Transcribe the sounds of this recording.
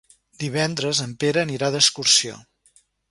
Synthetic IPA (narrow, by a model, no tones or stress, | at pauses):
d̪iβ̞ɛnd̪ɾəzəmpeɾəːniɾaðəskursio̰